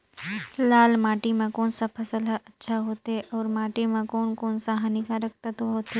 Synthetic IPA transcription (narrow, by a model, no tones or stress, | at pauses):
laːlmaːʈimẽkoːnsapʰɐsəlʔɐtːʃʰaɦoːt̪ɦɛʔɔːɾmaːʈimẽkoːnkoːnsaɦɐnɪkaɾɐk̚t̪at̪oɦoːt̪e